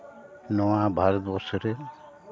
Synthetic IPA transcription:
noʋãːbʱaɾd̪oːsɾe

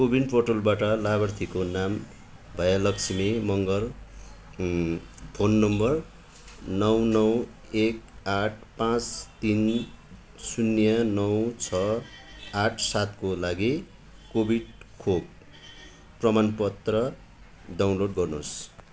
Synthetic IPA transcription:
kobʱinɖporʈolbaʈʌlabʌrt̪ʰikonam | bʱʌjalʌkt͡sʰimimʌŋɡʌl | pʰonːʌmbʌr | nʌwnʌw | ekaʈʰpãt͡st̪in | sunːjʌnʌwt͡sʰʌ | aʈʰsat̪kolaɡi | kobʱiɽkʰok | prʌmanpʌt̪rʌ | ɖaw̃nloɽɡʌrnos

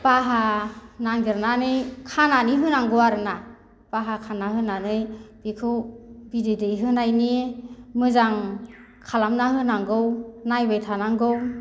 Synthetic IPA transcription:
b̥aɦanaŋɡiɾnanɯjkʰananiɦɯnaŋɡɯwaɾɯna | b̥aɦakʰanːaɦɯnanɯjb̥ikʰɯwbidɯdɯjɦɯnajnimɯzaŋ | kʰalamnaɦɯnaŋɡɯwnajbɯjtʰanaŋɡɯw

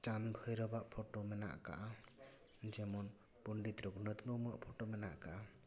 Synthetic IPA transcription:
t͡ʃanbʱəjɾɔbaʔpʰoʈomɛna̰ʔka̰ʔa | d͡ʒɛmɔn | puɳɖit̪ɾɔɡnət̪mumaʔpʰoʈomɛna̰ʔkaʔa

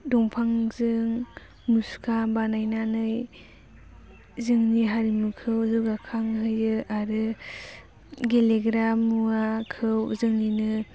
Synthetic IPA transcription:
dɔŋpʰaŋzɯŋ | muskʰabanajnanɯj | zɯŋniɦaɾimukʰɯwzuɡakʰaŋɦɯjɯaɾɯ | ɡeleɡɾamuakʰɯwzɯŋninɯ

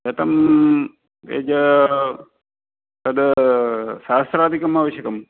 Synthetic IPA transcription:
et̪ɐm | ḛd͡ʒə | t̪ɐd̪ə | saːst̪ɾaːd̪ʱikɐmaːʋɐɕjɐkɐm

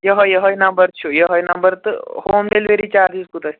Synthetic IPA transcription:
jəɦɔjəɦɔjnɐmbəɾt͡ʃʰujəɦɔjnɐmbəɾt̪ɨhoːmɖelʋeɾit͡ʃaɾd̪iskut̪ə

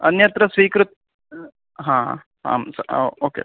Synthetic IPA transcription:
ɐnjɐt̪ɾɐsʋiːkɾut̪̚ | ɦãː | ɦa̰ːmsoːkḛ

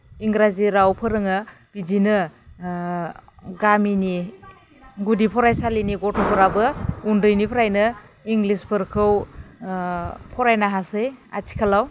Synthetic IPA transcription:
iŋɡɾaziɾawpʰɯɾɯŋɯ | b̥id͡ʒinɯ | ɡamini | ɡudipʰɔɾajsaliniɡɔtʰɔpʰɔɾabɯundɯjnipʰɾajnɯiŋɡlispʰɯɾkʰɯw | pʰɔɾajnaɦaseja̰tʰi̥kʰalaw

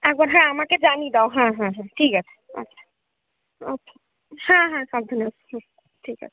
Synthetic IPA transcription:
ɛk̚bəɾɦãamãked͡ʒanid̪awɦãɦãɦãʈʰikɦɛt͡ʃʰ | ə̰tːʃʰḁ | ətʰa | hãɦãkad̪ʱinəshũ | ʈʰikɛ̰̥

